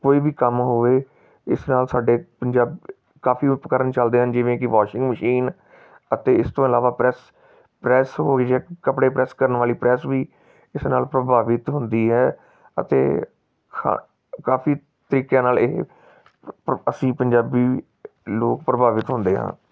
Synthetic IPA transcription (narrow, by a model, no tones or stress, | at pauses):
koːiːbiːkəmɦoʋeː | ɪsnaːlsaːɖeːpəɲd͡ʒaːb | kaːfʰiːpəkəɾənt͡ʃəld̪eːɦənd͡ʒɪʋẽːkɪʋaːʃɪ̃ŋɡməʃiːn | ət̪eːɪst̪õːɪlaːʋaːpɾɛs | pɾɛːsɦoːɪd͡ʒɛːkəpɽeːpɾɛːskəɾənʋaːliːpɾɛːsʋiː | ɪsnaːlpɾəbʱaːʋɪt̪ɦʊ̃nd̪iːɦɛː | ə̰t̪ḛː | kʰa̰ | kaːfiː | t̪əɾiːkjãːnaːleɦ | əsĩːpəɲd͡ʒaːbiː | loːkpɾəbʱaːʋɪt̪ɦʊ̃nd̪eːɦã̰ː